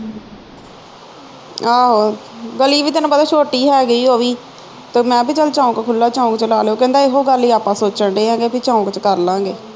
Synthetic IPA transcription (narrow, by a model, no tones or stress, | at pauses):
aːɦoː | ɡəliːbiːt̪ɪnãːpəd̪aːʃoːʈiːɦɛːɡəiːɦoːʋiː | t̪eːmɛ̃ːpiːt͡ʃəlt͡ʃaːũkekʰʊlːaːt͡ʃãːũkt͡ʃəlaːleoːkɛ̃ːnd̪aːɪɦoːɡəliːaːpãːsoːt͡ʃəɳɖeːãːɡeːpʰit͡ʃãːũkt͡ʃkəɾlãːɡeː